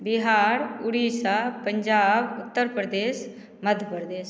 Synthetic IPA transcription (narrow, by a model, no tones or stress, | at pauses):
biɦaːɾʊɽiːsapəɲd͡ʒaːbʊt̪ːəɾpɾəd̪eːʃ | məd̪ʱjəpɾəd̪eːʃ